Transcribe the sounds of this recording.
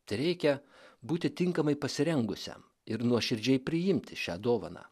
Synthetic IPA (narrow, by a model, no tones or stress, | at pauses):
t̪ɐɪɾʲɛɪkʲɛ | buːt̪ʲɪt̪ʲɪŋkɐmɐɪpɐsʲɪɾʲɛŋɡʊsʲɛ̰m | ɪɾnuɔʃʲɪɾʲd͡ʒʲɛɪpʲɾʲɪjɪmʲt̪ʲɪʃʲæ̰ːd̪oːʋɐ̰nɑ̰ː